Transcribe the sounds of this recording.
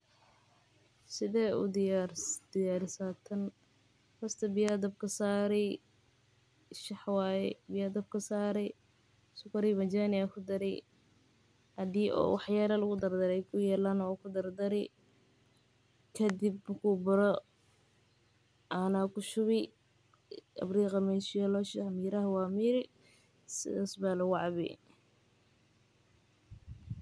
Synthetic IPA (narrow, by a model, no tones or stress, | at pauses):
sɪðɛːʊ̰d̪ɪjaɾd̪̥ɪjaːɾɪsat̪ʰɐn | hɐst̪ʰɐbɪjad̪ɐb̚kʰɐsaːɾɛj | ʃɑħwaːjɛbɪjad̪ɐb̚kʰɐsaːɾɛ | sʊkʰɐɾɪmɐd͡ʒaːnɪakʰʊd̪ɐɾɛ̰j | ɐd̪iːʔɔ̰ːwɑħjaːlɐlɐɣʊd̪ɐrd̪ɐɾɛjkʰʊjɛːlaːnɔkʰʊd̪ɐrd̪ɐɾɛ̰ | kʰɐd̪ibɐkʰubʊɾɔ | anakʰʊʃʊβɪ | ɐ̰briːqɑmɛʃɪjɔlɔʃɐhɐmiːɾɐɦɐwaːmiːɾɪ | sɪ̰ðaːsbaːlɐwɑʕβɛ̰